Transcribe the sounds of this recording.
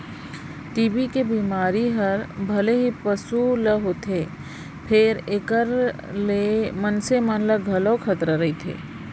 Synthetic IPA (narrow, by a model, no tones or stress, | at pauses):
ʈiːbikebiːmaːɾiɦəɾbʱɐleɦipəsuləɦot̪ʰe | pʰeɾekəɾ | lemənsemənləɡʱɐlokʰət̪ɾəɾəit̪ʰḛː